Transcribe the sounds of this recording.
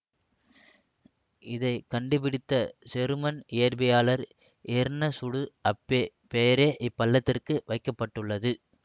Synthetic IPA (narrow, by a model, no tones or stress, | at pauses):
ɪðɐɪkɐɳɖɯpɪɽɪt̪ːɐsɛɾɯmɐnɪjɐɾbɐjaːlɐɾ | ʔeːɾnɐsʊɽɯɐpːe | peːɐɾeːʔɪpːɐlːɐt̪ːɪrkɯʋɐɪkːɐpːɐʈːɯɭːɐðɯ